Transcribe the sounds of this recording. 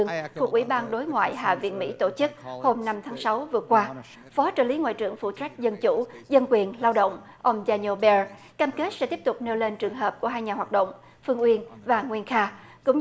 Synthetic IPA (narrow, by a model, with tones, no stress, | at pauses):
əŋfʰu˨˩ʔwḭ˧˩ɓaː˧nɗo˨˦jŋwa̰ː˧˨jɦa̰ː˧˨vḭ˧˨ənmḭ˧˥t̪o˧˩t͡ɕɨ˦˥k̚ho˧mna˧mt̪ʰaː˨˦ŋsa˨˦wvɨ˨˩əkwaː˧ | fɔ˨˦t͡ɕəː˧˩li˨˦ŋwa̰ː˧˨jt͡ɕɨ̰˧˩əŋfṵ˧˩t͡ɕa˦˥jk̟̚zə˧nt͡ɕu˧˩zə˧nkwi˨˩ənlaː˧wɗə̰˧˨wŋ͡m | ʔə˧wŋ͡mzaː˧ɲo˧ɓɛ˧ | kaː˧mke˦˥t̚sɛ̰˧˥t̪i˦˥əp̚t̪ʊ˨˩k͡p̚ne˧wle˧nt͡ɕɨ˨˩əŋɦəː˨˩p̚ku˧˩əɦaː˧jɲaː˨˩ɦwaː˨˩t̚ɗə̰˧˨wŋ͡m | fɨ˧əŋʔwi˧ənvaː˨˩ŋwi˧ənxaː˧ | kʊ̰˧˥ŋ͡m